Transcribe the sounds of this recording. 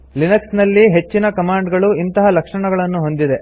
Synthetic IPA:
linɐksnɐlːiɦe̞t͡ʃːinɐkɐmaːɳɖɡɐɭuint̪ɐɦɐlɐkʂɐɳɐɡɐɭɐnːuɦo̞nd̪id̪e̞

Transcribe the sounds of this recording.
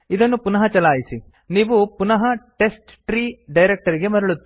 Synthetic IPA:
id̪ɐnːupunɐɦɐt͡ʃɐlaːjisi | niːʋupunɐɦɐʈe̞sʈʈɾiːɖɐjɾek̚ʈɐɾiɡe̞mɐɾɐɭut̪ːi

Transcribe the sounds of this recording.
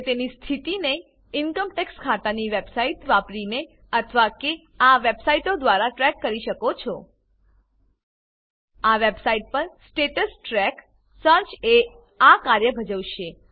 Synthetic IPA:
t̪enist̪ʰit̪ine | ɪnkəmʈɛkskʰat̪aniʋebsaiʈʋapɾine | ət̪ʰəʋake | aʋebsaiʈod̪ʋaɾaʈɾɛkːəɾiʃəkot͡ʃʰɔ | aʋebsaiʈ̚pəɾsʈeʈəsʈɾɛk | səɾt͡ʃe | akaɾjəbʱəd͡ʒəʋʃe

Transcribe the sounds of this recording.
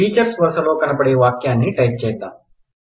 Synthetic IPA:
iːt͡ʃəɾsʋəsəloːkɐnpəɽeːʋaːkjãːnĩːʈaip̚t͡ʃɐɦit̪aː

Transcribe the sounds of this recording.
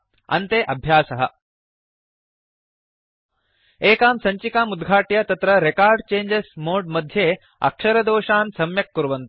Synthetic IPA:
ɐ̰nt̪eːʔɐbʱjaːsɐɦɐ̰̆ | eːkaːmsɐɲt͡ɕikaːmud̪ɡʱaːʈjɐt̪ɐt̪ɾɐɾekaːɾɖt͡ɕeːɲd͡ʑesmoːɖmɐd̪ʱjeː | ɐ̰kʂɐɾɐd̪oːʂaːnsɐmjɐkːuɾʋɐnt̪u

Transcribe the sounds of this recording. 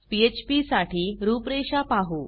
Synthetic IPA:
piet͡ɕpisaʈiːɾupɾeɕapaɦuː

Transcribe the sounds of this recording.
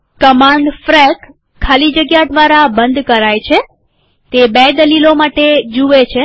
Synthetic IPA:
kəmãɳɖfɾɛkʰː | alid͡ʒəɡjad̪ʋaɾabənd̪kəɾajt͡ʃʰe | t̪ebed̪əlilomaʈed͡ʒuʋet͡ʃʰe

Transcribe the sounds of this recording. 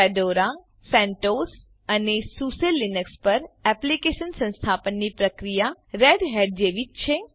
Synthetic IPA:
ɛɖoɾa | sɛ̃ɳʈos | ənesuselːinəkspəɾɛplikeʃənsə̃nst̪ʰapənːipɾəkɾijaɾeɖɦeɖ̚d͡ʒeʋid͡ʒt͡ʃʰe

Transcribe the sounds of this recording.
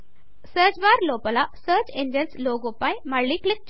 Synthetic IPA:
səd͡ʑʋaɾlopəlasət͡ɕẽɲd͡ʑənsloɡopajmaɽliːklɪk̚t͡ɕ

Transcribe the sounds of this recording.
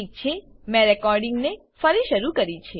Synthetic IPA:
ik̚t͡ʃʰe | mɛ̃ɾɛkɔɾɖɪŋɡne | fəɾiʃəɾukəɾit͡ʃʰe

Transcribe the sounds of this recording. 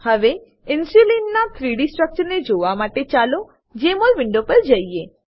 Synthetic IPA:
həʋe | ɪnsulinːat̪ʰɾiɽisʈɾək̚t͡ʃəɾned͡ʒoʋamaʈet͡ʃalo | d͡ʒemolʋɪɳɖopəɾd͡ʒəie

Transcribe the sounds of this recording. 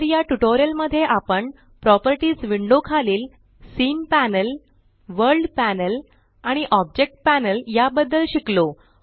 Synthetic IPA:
ɾjaʈuʈoɾjəlməd̪ʱːjeʔapəɳ | pɾɔpəɾʈiːt͡sʋiɳɖokʰaliːl | siːnpænəl | ʋəɾlɖpænəl | aɽ̃iʔɔb̚d͡ʑek̚ʈ̚pænəljabəd̪ːəlɕiklo

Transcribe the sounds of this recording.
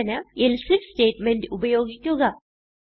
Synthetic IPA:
ɐnɐelsifste̞ːʈmendɨubɐjo̞ːɡikʲːuɣɐ

